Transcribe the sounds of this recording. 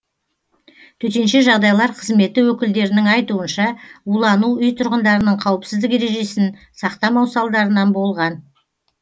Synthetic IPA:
t̪ʰɵt̪e̞nʃeʒɑʁd̪ɑjlˠɑɾqʰəzme̞t̪ɪwɵkʲɪld̪e̞ɾɪnɪŋɑjt̪uənʃɑulˠɑnuʏjt̪ʰʊɾʁənd̪ɑɾənəɴqʰɑwəpsɪzd̪ɪke̞ɾe̞ʒe̞sɪn | sɑqt̪ɑmɑwsɑlˠd̪ɑɾənɑnbo̞lˠʁɑn

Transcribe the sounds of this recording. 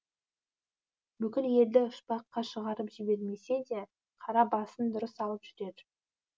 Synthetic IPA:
bʏkʲɪlje̞ld̪ɪʊʃpɑqːɑʃəʁɑɾəpʒɪbe̞ɾme̞se̞d̪e̞ | qʰɑɾɑbɑsənd̪ʊɾəsɑlˠəpʒ̥ʏɾe̞d̪ɪ

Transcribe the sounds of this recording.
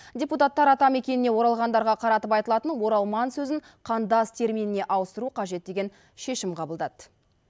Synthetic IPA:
dʲeput̪ɑt̪ːɑɾɑt̪ɑme̞kʲe̞nɪne̞wo̞ɾɑlˠʁɑnd̪ɑɾʁɑqʰɑɾɑt̪əpɑjt̪əlˠɑt̪ənwo̞ɾɑlˠmɑnsɵzɪɴ | qʰɑnd̪ɑst̪ʰe̞ɾminɪne̞ʔɑwəst̪əɾuqʰɑʒe̞t̪̚d̪e̞ɡʲe̞n | ʃe̞ʃɪmqʰɑbəlˠd̪ɑt̪

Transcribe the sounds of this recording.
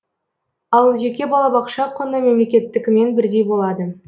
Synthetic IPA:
ɑlˠʒe̞kʲe̞bɑlˠɑbɑqʃɑqʰonəme̞mle̞kʲe̞t̪ːɪkʲɪme̞nbɪɾd̪e̞jbo̞lˠɑd̪ə

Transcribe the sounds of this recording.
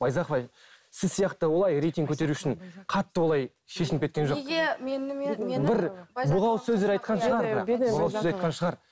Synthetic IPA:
bɑjzɑqvɑj | sɪzsijɑqt̪əwo̞lˠɑjɾejt̪iŋɡkʲʰɵt̪e̞ɾuɪʃɪɴqʰɑt̪ːəwo̞lˠɑj | ʃe̞ʃɪnɪpkʲʰekʲenʒoɡeenbɪɾbʊʁɑwsɵzd̪eɾɑjt̪qɑnʃəʁɑɾbʊʁɑwsɵzɑjt̪̚qɑnʃəʁɑɾ

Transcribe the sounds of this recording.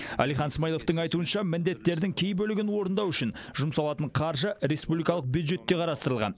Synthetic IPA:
æ̰lijχɑnsmɑjlˠo̞ft̪əɴɑjt̪uənʃɑmɪnd̪e̞t̪ːe̞ɾd̪ɪŋkʲʰe̞jbɵlɪɡʲɪnwo̞ɾənd̪ɑwʏʃɪnʒʊmsɑlˠɑt̪əɴqʰɑɾʒəɾe̞spublijkɑlˠəq̚bjud̪ʒe̞t̪ːe̞qʰɑɾɑst̪əɾəlˠʁɑ̰n

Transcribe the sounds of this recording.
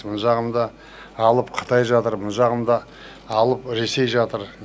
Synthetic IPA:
mənʒɑʁəmd̪ɑ | ɑlˠəpqʰə̥t̪ɑjʒɑt̪əɾmʊnʒɑʁəmd̪ɑ | ɑlˠəpɾe̞se̞jʒɑt̪əɾ

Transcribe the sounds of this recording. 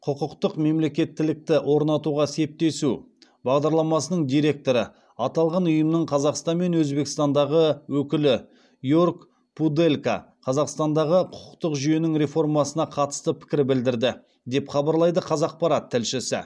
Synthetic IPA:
qʰʊqʊqt̪əqme̞mle̞kʲe̞t̪ːɪlɪk̚t̪ɪwʔo̞ɾnɑt̪uʁɑse̞p̚t̪e̞su | bɑʁd̪ɑɾlˠɑmɑsənəɴd̪ijɾe̞k̚t̪o̞ɾə | ɑt̪ɑlˠʁɑnʊjəmnəɴqʰɑzɑqst̪ɑnme̞nwɵzbe̞kst̪ɑnd̪ɑʁəwɵkʲɪlɪ | jork | pud̪e̞lka̰ | qʰɑzɑqst̪ɑnd̪ɑʁəqʰʊ̥qʊ̥qt̪əqʒʏje̞nɪŋɾe̞fo̞rmɑsənɑqʰɑt̪ə̥st̪əpʰɪ̥kʲɪɾbɪld̪ɪɾd̪ɪ | d̪e̞pχɑbɑɾlˠɑjd̪əqʰɑzɑq̚pɑɾɑt̪ʰːɪlʃɪsɪ̰

